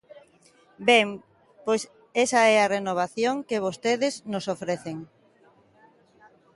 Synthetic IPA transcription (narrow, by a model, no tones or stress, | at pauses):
bɛŋ | pojs | esɐɛarenoβ̞aθjoŋkeβ̞ost̪eðɪznosofɾeθeŋ